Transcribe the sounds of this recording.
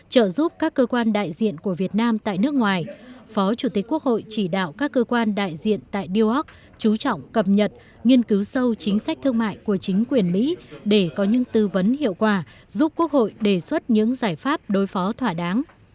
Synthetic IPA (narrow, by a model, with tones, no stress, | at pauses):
t͡ɕə̰ː˧˨zu˦˥p̚kaː˦˥kːəː˧kwaː˧nɗa̰ː˧˨jzḭ˧˨ənku˧˩əvi˨˩ət̚naː˧mt̪a̰ː˧˨jnɨ˦˥ək̚ŋwaː˨˩jfɔ˨˦t͡ɕu˧˩t̪i˨˩k̟kːu˦˥ək̚ho̰˧˨jt͡ɕi˧˩ɗa̰ː˧˨wkaː˦˥kːəː˧kwaː˧nɗa̰ː˧˨jzḭ˧˨ənt̪a̰ː˧˨jɗi˧ə˧wʔɔ˦˥k̚ | t͡ɕu˨˦t͡ɕɔ̰˧˨wŋ͡mkə˨˩p̚ɲə˨˩t̚ | ŋi˧ənkɨ˨˦wsə˧wt͡ɕï˨˦ŋ̟sa˦˥k̟̚t̪ʰɨ˧əŋma̰ː˧˨jku˧˩ət͡ɕï˨˦ŋ̟kwi˨˩ənmḭ˧˥ɗe˧˩kɔ˨˦ɲɨ̰˧˥ŋt̪ɨ˧və˨˦nhḭ˧˨əwkwaː˧˩zu˦˥p̚ku˦˥ək̚ho̰˧˨jɗe˧˩swə˦˥t̚ɲɨ̰˧˥ŋzaː˧˩jfaː˦˥p̚ɗo˨˦jfɔ˨˦t̪ʰwaː˧˩ɗaː˨˦ŋ